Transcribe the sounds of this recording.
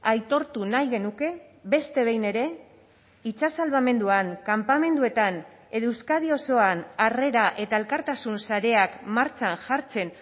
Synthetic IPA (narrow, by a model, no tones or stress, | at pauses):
ajt̪o̞ɾt̪unajɣe̞nuke̞βe̞st̪e̞β̞e̞jne̞ɾe̞ | it͡sasalβame̞nd̪uaŋkampame̞nd̪ue̞t̪an | e̞ðuwskaðio̞so̞anare̞ɾaʔe̞t̪ae̞lkaɾt̪asunsaɾe̞akmaɾt͡ʃanʝaɾt͡se̞n